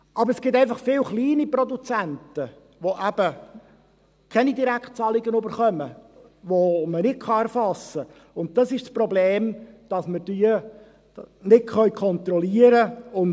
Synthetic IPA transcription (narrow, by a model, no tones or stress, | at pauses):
ʔɑbɾɛsɡ̥ɪt̪æɪfɑχfɪlχliːnipɾɔd̪ut͡sæntə | ʋoʔæb̥ə | kʰɛnid̪iɾækχt̚t͡sɑlɪɡənøbəɾχœmə | ʋomənɪt̚kʰχɑɛɾfɑsə | ʊnt̚t̪ɑsɪʃspɾɔbleːmd̥ɑsməɾd̥yə | nɪtχœʏkʰɔnt̪ɾɔliəɾəʊn